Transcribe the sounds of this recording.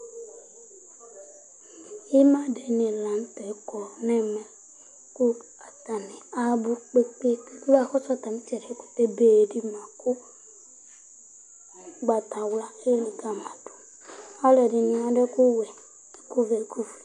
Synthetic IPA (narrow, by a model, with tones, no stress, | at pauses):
i˦ma˦de˨ni˨la˨n˦tɛ˨˦kɔ˨nɛ˦mɛ˨ | ku˦ | a˨ta˨ni˨a˨bu˦k͡pe˦k͡pe˦k͡pku˦ba˦˨kɔ˦sa˦ta˨ni˦t͡ʃɛ˨ɾku̥˦te˦be˨di˦ma˨ku˦ | ɡ͡ba˨ta˨wla˦e˦li˨ka˨ma˨tu̥˨ | a˦lɛ˨di˨ni˨a˨dɛ˦ku˦wɛ̥˨ | ku˦vɛ˨ku˦fi˨